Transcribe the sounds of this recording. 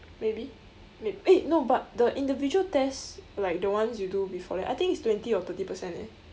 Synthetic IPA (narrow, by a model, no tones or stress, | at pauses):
mebi | meenobat̚dəʔĩndivid͡ʒuəltɛslaɪk̚dəwãns̬judubifɔ̰lɛʔajt̪ĩŋkitstwɛ̃ntiɔt̪ətipəsɛ̃ntɛ̰